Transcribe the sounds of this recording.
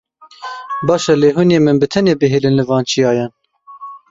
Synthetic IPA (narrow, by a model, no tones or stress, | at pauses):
bɑːʃɛleːɦuneːmɨnbɨt̪ʰɛneːbɨɦeːlɨnlɨvɑːnt͡ʃʰijɑːjɛn